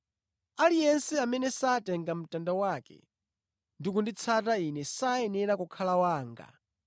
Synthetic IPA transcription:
alijɛnsɛamɛnɛsatɛŋɡam̩tandawakɛ̰ | ndikundit͡sʰatainɛsaɛnɛɾakukʰalawaːŋɡa̰

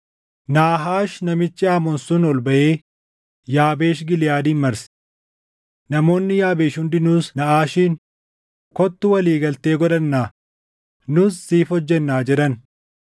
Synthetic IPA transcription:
naːɦaːʃnɐmɪt͡ʃːɪaːmɔnsʊnɔlbɐʔeː | jaːbe̞ːʃɡɪlɪjaːd̪iːnmɐɾs | nɐmo̞ːnːɪjaːbeːʃʊnd̪ɪnuːsnɐʔaːʃiːn | kɔt̪ːʊwɐliːɡɐlt̪e̞ːɡɔᶑɐnːaː | nʊsːiːfhɔd͡ʒːɛnːaːd͡ʒɛᶑɐn

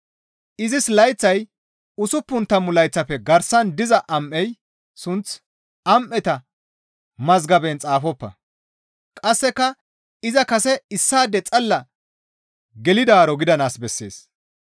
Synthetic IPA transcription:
ʔɪzɪslɐjt͡sːɐj | ʊsʊpːʊnt̪ɐmːʊlɐjt͡sːɐpːɛɡɐɾsɐnd̪ɪzɐʔɐmʔːɛj | sʊnt͡s | ɐmʔɛt̪ɐ | mɐzɡɐbɛnt͡sʼaːfɔpːɐ̰ | kʼɐsːɛkːɐ | ɪzɐkɐsɛɪsːaːd̪ɛt͡sʼɐlːɐ | ɡɛlɪd̪aːɾɔɡɪd̪ɐnaːsbɛsːe̞̰ːs

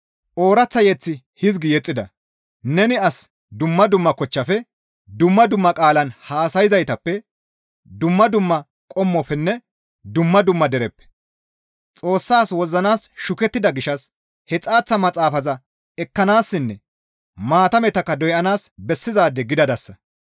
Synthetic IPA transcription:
ʔo̞ːɾɐt͡sːɐjɛt͡sːɪ | hɪzɡɪjɛt͡sʼːɪd̪ɐ | nɛnɪɐs | d̪ʊmːɐd̪ʊmːɐkɔt͡ʃːɐfɛ | d̪ʊmːɐd̪ʊmːɐkʼaːlɐnhaːsɐjɪzɐjt̪ɐpːɛ | d̪ʊmːɐd̪ʊmːɐ | kʼɔmːɔfɛnːɛ | d̪ʊmːɐd̪ʊmːɐd̪ɛɾɛpːɛ̥ | t͡sʼo̞ːsːaːswɔzɐnaːsʃʊkɛt̪ːɪd̪ɐɡɪʃɐs | hɛt͡sʼaːt͡sːɐmɐt͡sʼaːfɐzɐ | ɛkːɐnaːsːɪnːɛ | maːt̪ɐmɛt̪ɐkːɐd̪ɔjʔɐnaːsbɛsːɪzaːd̪ːɛɡɪd̪ɐd̪ɐsːɐ

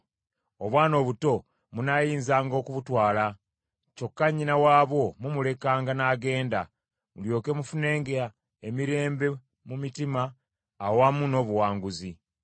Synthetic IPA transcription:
o̞βwaːno̞ːβuto̞ | munajiːnzaːŋɡo̞kuβutwaːla | co̞kːaɲinawaːβwo̞mumule̞kaːŋɡanaːɡe̞ːnda | muljo̞ːke̞mufune̞ːŋɡeɾa | emiɾe̞ːmbe̞ | mumitimaː | wamuno̞ːβuwaːŋɡuzi

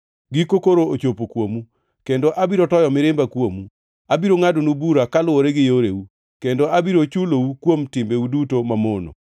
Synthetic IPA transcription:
ɡikokoɾoot͡ʃopokwomu | kendoʔabiɾotɔjɔmɪɾɪmbakwomu | abiɾoŋadonubuɾakalʊoɾeɡɪjoɾeu | kendoʔabiɾot͡ʃuloukwomtɪmbeudutomamono̰

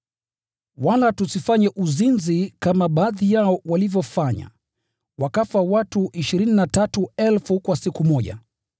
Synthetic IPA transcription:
walatusifaɲɛʔuzinzikamaɓaðijaɔwalivjɔfaɲa̰ | wakafawatuʔiʃiɾininatatuɛlfukwasikumɔʄa̰

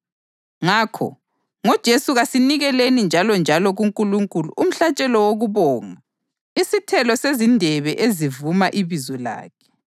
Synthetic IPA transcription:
ŋaːkʰɔ̰ | ŋɔd̥ʒ̥ʱesuɣasiniɣɛlenind͡ʒʱalɔnd͡ʒʱalɔɣuŋkʼuluŋkʼulṵʔum̩ɬat͡ʃʼɛlɔwoɣuβɔːŋa | isitʰɛlɔsezindʱɛβɛʔezivumaʔiβizɔla̰ːkʰɛ̥

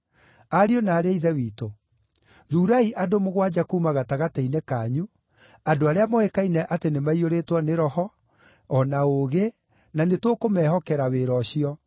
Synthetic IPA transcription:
aɾionaːɾeiðɛwiːto | ðuːɾaiʔadomoɣwad͡ʒakumaɣataɣatɛinɛkaːɲu | adoaɾeamɔekainɛʔatenemaioɾetwɔneɾɔhɔ | ɔnaoɣe | nanetokomɛɦɔkɛɾaweɾɔɕiɔ

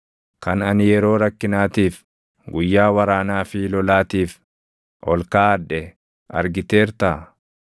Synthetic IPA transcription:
kɐnɐnɪjɛɾo̞ːɾɐkːɪnaːt̪iːf | ɡʊjːaːwɐɾaːnaːfɪlɔlaːt̪iːf | ʔɔlkaːɐdːɛ | ʔɐ̰ɾɡɪt̪e̞ːɾt̪a

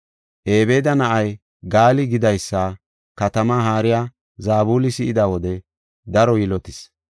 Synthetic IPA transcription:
ʔe̞ːbe̞ːd̪ɐnɐʔɐj | ɡaːlɪɡɪd̪ɐjsːɐ | kɐt̪ɐmaːɦaːɾɪja | zaːbuːlɪsɪɪd̪awɔd̪ɛ | d̪ɐɾɔjɪlɔt̪ɪs

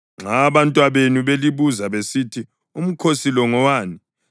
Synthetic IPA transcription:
ŋ͡ǁaβantʼwaβenuβeliβuzaβesitʰi | um̩kʰosilɔŋɔwaːni

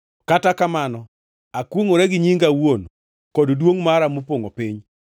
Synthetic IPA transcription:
katakamanɔ | akwoŋoɾɛɡɪɲiŋɡawon | kɔddwoŋmaɾamopoŋopiɲ

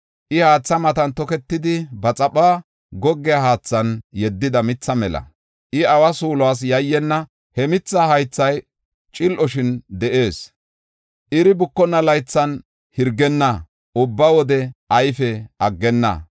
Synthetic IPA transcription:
ʔɪhaːt͡sːɐmɐt̪ɐnt̪ɔkɛt̪ːɪd̪ɪbɐt͡sʼɐɓaː | ɡɔɡːɪjɐhaːt͡sːɐnjɛd̪ːɪd̪ɐmɪt͡sːɐmɛlɐ̰ | ʔɪɐwɐsuːlwaːs̬jɐjːɛnːɐ | hɛmɪt͡sːɐhɐjt͡sːɐj | t͡ʃʼɪlʔɔʃɪnd̪ɛʔe̞ːs | ʔɪɾɪbʊkːɔnːɐlɐjt͡sːɐn | hɪɾɡɛnːɐ | ʊbːɐwɔd̪ɛʔɐjfɛʔɐɡːɛnːɐ̰

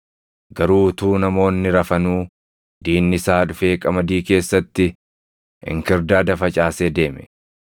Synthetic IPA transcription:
ɡɐɾuːt̪uːnɐmo̞ːnːɪɾɐfɐnuː | d̪iːnːɪsaːᶑʊfe̞ːkʼɐmɐd̪iːke̞ːsːɐt̪ːɪ | ɪ̰ŋkɪɾd̪aːd̪ɐfɐt͡ʃʼaːseːd̪e̞ːmɛ̥

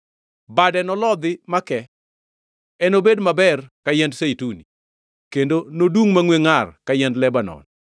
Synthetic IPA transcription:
badɛnɔlɔd̪ɪmakɛ | ɛnobedmabɛrkajɛndseituni | kendonodwuŋmaŋweŋarkajɛndlɛbanɔ̰n

